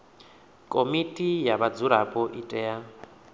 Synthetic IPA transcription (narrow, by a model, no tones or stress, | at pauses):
kʼomitʼijaβad͡zuɾapʼɔʔitʼɛja